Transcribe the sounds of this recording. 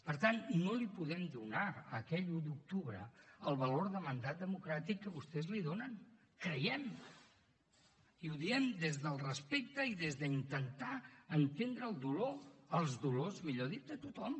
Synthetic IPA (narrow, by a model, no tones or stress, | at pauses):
pəɾt̪anːolipuðɛmd̪unaəkɛʎud̪uk̚t̪uβɾə̰əlˠβəloɾðəmənd̪at̪̚d̪əmukɾat̪ikːəβust̪ɛzliðonən | kɾəjɛm | iuðiɛmd̪ezðəlˠrəspek̚t̪əiðezðəint̪ənt̪aənt̪end̪ɾəːlˠd̪uloəlˠzðulozmiʎoðit̪̚d̪ət̪ut̪ɔm